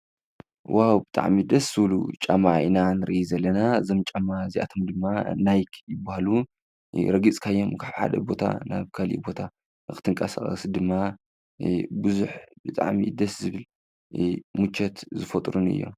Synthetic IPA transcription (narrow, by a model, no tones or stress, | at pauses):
wawbɨt̪ʼa̰ʕmid̪ɐsz̥ɨβlṵt͡ʃʼamaʔinanɨɾɨʔizɐlːɐnazomt͡ʃʼamaziʔa̰t̪ʰomd̪ɨmːanajkʰjɪbːahalu | ɾɐɡit͡sʼkʰajːomkʰaβħa̰d̪ɐ̰bo̞t̪ʰa̰na̰βkʰalḭbo̞t̪ʰa | ɨkɨ̥t̪ʰɨŋkʼɐsa̰χʼɐ̰sɨd̪ɨmːa | bɨzuħbɨt̪ʼa̰ʕmḭd̪ɐszɨβɨl | mut͡ʃʰːɛt̪zɨfɐt̪ʼɾunɨ̰jːo̰m